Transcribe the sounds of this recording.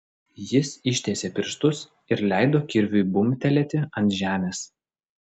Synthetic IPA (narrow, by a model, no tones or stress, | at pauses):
jɪsɪʃʲt̪ʲeːsʲepʲɪɾʃt̪ʊs | ɪɾlʲæɪd̪oːkʲɪɾʲʋʲʊjbʊmʲt̪ʲɛlʲɛt̪ʲɪɐnʲt̪ʒʲæːmʲeːs